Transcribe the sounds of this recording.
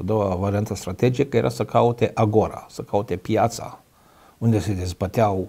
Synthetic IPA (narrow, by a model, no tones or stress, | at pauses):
ad̪owavaɾiant̪əst̪ɾat̪ed͡ʒikəjeɾʔa̰səkaut̪eʔaɡoɾa̰səkaut̪epjat̪sa̰ | und̪esed̪ezbət̪eaw